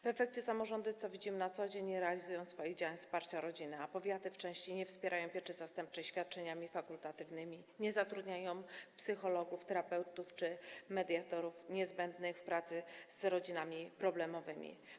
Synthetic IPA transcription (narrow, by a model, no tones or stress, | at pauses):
vɛfɛk̚t͡ɕɛsamɔʐɔnd̪ut̪sɔvʲid͡ʑimɘnat̪sɔd͡ʑeɲɾɛalʲizujɔ̃w̃sfɔjiɣd͡ʑawaɲfspaɾt͡ɕaɾɔd͡ʑinɘapɔvʲjat̪ɘft͡ʂɛ̃w̃ɕt͡ɕejɲɛfspʲjɛɾʔajɔ̃w̃pʲjɛɾʂɛzast̪ɛmp̚t͡ʂɛɕfʲjat̪̚t͡ʂɛɲamʲifakult̪at̪ɘvnɘmʲiɲɛzat̪ɾud̪ɲajɔ̃w̃psɘxɔlɔɡuft̪ɛɾapɛwt̪uft͡ʂɘmɛd̪ʲjat̪ɔɾufɲɛzbɛnd̪nɘxfpɾat̪sɘzɾɔd͡ʑinamʲipɾɔblɛmɔvɘmʲḭ